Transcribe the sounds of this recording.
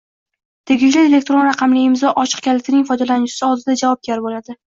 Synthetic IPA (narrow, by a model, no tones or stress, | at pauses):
t̪ʰeɡʲɪd͡ʒlɪelek̚ʲt̪ɾo̞nɾɑqʰɑmlɪɪmzɒʔɒt͡ʃʰɨ̥qkʲʰalɪt̪ʰɪnɪŋfɒjd̪alanɪt͡ʃɪ̥sɪɒlˠd̪ɪd̪ad͡ʒavɒb̚ɡʲaɾbolad̪ɪ